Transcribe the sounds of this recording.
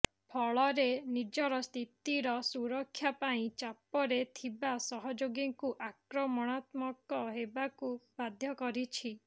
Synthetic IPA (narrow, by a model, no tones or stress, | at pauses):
pʰɔɭɔɾenid͡ʒɔɾɔst̪ʰit̪iɾɔsuɾɔkʰːjapaĩt͡ʃapɔɾet̪ʰibasɔɦɔd͡ʒoɡiŋkuʔakɾɔmɔɽ̃at̪mɔkɔɦebakubad̪ʱjɔkɔɾit͡ʃʰi